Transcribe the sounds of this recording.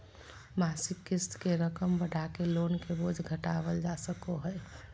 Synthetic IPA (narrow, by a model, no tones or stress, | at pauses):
maːsɪkːɪst̪keɾəkəmbəɽ̤ʱakeloːnkeboːd͡ʒʱɡʱəʈaːʋəld͡ʒasəkoɦɛ